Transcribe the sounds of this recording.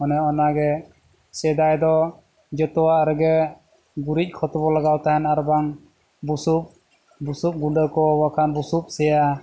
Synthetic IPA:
ɔnɛɔnaɡɛ | sɛd̪ajd̪ɔ | d͡ʒɛt̪ɔwaʔɾɛɡɛ | ɡuɾic̚ˀkʰɔt̪ɔbɔlaɡawt̪aɦɛnaɾbaŋ | busup̚ | busup̚ɡuɖəkɔwakʰanbusup̚sɛja

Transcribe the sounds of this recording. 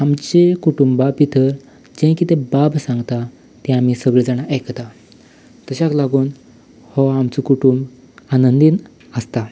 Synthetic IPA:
amt͡ɕekuʈumbbapit̪ʰəɾ | d͡ʑẽkit̪ẽbabsãŋɡt̪a | t̪ɛ̃amiːsəɡɭed͡zaɽ̃aʔejkt̪a | t̪əɕaklaɡuːn | hɔamt͡sukuʈumb | anənd̪iːn | əst̪a

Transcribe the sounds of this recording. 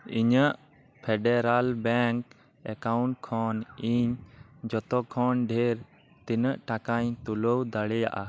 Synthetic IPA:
iɲəʔ | pʰɛɖɛɾalbɛŋk | ɛkawɳʈkʰɔniɲd͡ʒɔt̪ɔkʰɔnɖʱeɾ | t̪inəʔʈakaɲt̪ulowd̪aɽɛja̰ʔa

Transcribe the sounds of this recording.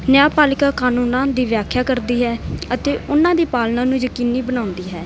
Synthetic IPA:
nɪjaːpaːlɪkaːkaːnuːnãːd̪iːʋjaːkʰjaːkəɾd̪iːɦɛːət̪eːʊnãːd̪iːpaːlnãːnũːd͡ʒəkiːnːiːbənaːʊ̃nd̪iːɦɛː

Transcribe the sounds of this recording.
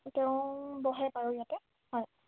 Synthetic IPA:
tɛʊ̃bɔɦɛpaɹujatɛ | hɔj

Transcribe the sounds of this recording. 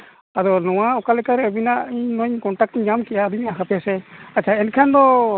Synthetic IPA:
ad̪ɔnɔwaɔkalɛkaɾɛbinaʔiɲnɔɲkɔnʈak̚ʈɲamkɛʔad̪umiʔaɦapɛsɛat͡ʃʰaɛnkʰand̪ɔ

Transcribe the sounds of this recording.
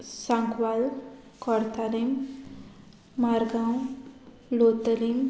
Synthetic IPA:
saŋkwal | kʌɾt̪alim | maɾɡaw̃ | lot̪əlim

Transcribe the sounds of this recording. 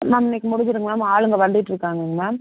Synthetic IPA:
namɪnːɐkːɯmʊɽʊɲd͡ʒɪɾɯŋɡɐɭaːmaːɭɯŋɡɐʋɐɳɖɪʈːɪɾɯkːaːŋɡɐɯŋɡnaː

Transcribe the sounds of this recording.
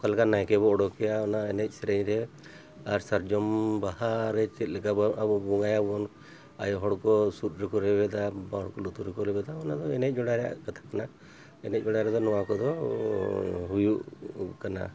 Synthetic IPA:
kalkanajkɛβɔɔɽɔkɛjaɔnaɛnɛc̚ˀsɛɾeɲɾɛ | aɾsaɾd͡ʒɔmbahaɾɛt͡ʃɛt̪̚lɛkababɔbɔŋajabɔn | a̰jɔɦɔɽkɔsut̪̚ɾikɔɾɛbɛd̪abaɔɽkɔlut̪uɾikɔɾɛbɛd̪aɔnad̪ɔɛnɛc̚d͡ʒɔɽaɾɛja̰ʔkat̪ʰḁkana | ɛnɛc̚ˀd͡ʒɔɽaɾɛd̪ɔnɔwakɔd̪ɔ | ɦujuʔkana̰

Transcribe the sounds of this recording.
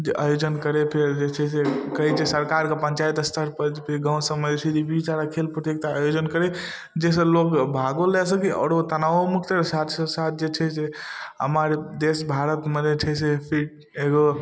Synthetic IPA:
d͡ʒeʔa̰jod͡ʒənkəɾepʰeɾd͡ʒet͡ʃʰɛs̬ekəɦit͡ʃʰesəɾkaɾkepənt͡ʃajt̪st̪ʰəɾpəd͡ʒpʰiɾɡãsəmːəd͡ʒt͡ʃʰid͡ʒ̪ibit͡ʃaɾakʰelpɾət̪jek̚t̪aajod͡ʒənkəɾe | d͡ʒes̬ə̃lokbʱaɡolɛsəkiɔ̰ɾot̪ənaomukʰt̪eɾsat̪ʰsəsat̪̚ʰd͡ʒet͡ʃʰɛseə̰məɾd̪esbʱaɾət̪məd͡ʒet͡ʃʰɛsepʰi | eɡo

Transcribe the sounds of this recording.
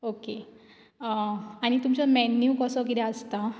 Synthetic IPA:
oke | aɽ̃it̪umt͡ɕəmɛnjuːkɔsɔkit̪ɛ̃əst̪a

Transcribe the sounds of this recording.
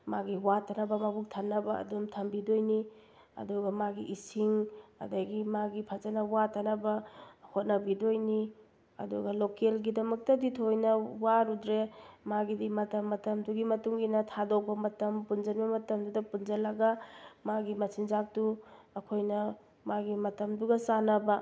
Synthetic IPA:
maɡiwatanɐbɐmɐbuk̚tʰanːɐbɐɐ̰dumtʰɐmbidojni | ɐ̰duɡɐmaɡiʔisiŋɐ̰dɐɡimaɡipʰazɐnɐwatanɐbɐhot̚nɐbidojni | ɐ̰duɡɐlokelɡidɐmɐk̚tɐditʰojnɐwaɾudɾemaɡidimɐtɐmːɐtɐmduɡimɐtuŋɡinɐtʰadok̚bɐmɐtɐmpund͡ʒɐnbɐmɐtɐmdudɐpund͡ʒɐlɐɡamaɡimɐsinzak̚tu | ɐkʰojnɐ | maɡimɐtɐmduɡɐsanɐbɐ

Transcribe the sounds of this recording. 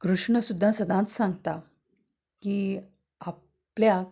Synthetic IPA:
kɾuʂɳəsud̪ʱːãsəd̪ʱãt͡ssãŋɡt̪a | ki | a | plja

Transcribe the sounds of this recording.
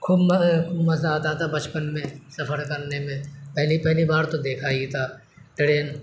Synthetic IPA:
kʰuːbmkʰuːbmɐzaɦɐt̪at̪ʰabɐt͡ʃpənmẽsɐpʰəɾkɐɾnemẽpɛɦlipɛɦlibaːɾt̪od̪eːkʰaːit̪ʰaː | ʈɽeːn

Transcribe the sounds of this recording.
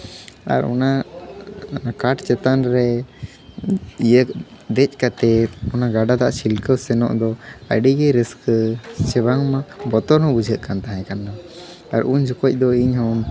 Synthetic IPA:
a̰ɾɔ̰na | kaʈt͡ʃɛt̪anɾɛ | ijəd̪ɛt͡ʃ̚ˀkat̪ɛɔnaɡaɖad̪aʔat͡ʃʰilkəwsɛnɔ̰ʔd̪ɔə̰ɖiɡɛɾisksɛbaŋmabɔt̪ɔnɦɔ̃bud͡ʒʱəʔkant̪aɦãkanːa | aɾuɲd͡ʒukɔc̚d̪ɔiɲɦɔn

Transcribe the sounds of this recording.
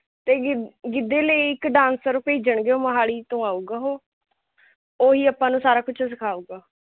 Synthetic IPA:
t̪eːɡɡɪd̪eːləiɪkɖãːnsəɾpeːd͡ʒəɳɡeːoːməɦaːɽiːt̪õːaːuːɡaːɦoː | oːɦiːapãːnũːsaːɾaːkʊt͡ʃʰs̬ɪkʰaːuːɡaː

